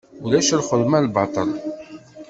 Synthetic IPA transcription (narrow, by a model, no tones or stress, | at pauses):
ulæʃəlχəðmælbɑt̪ˤəɾˤ